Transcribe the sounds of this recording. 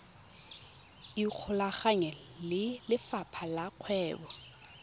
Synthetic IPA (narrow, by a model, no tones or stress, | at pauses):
ik͡xʰʊlaχaɲɛlɪlɪfapʰalaq͡χʰwɛːbɔ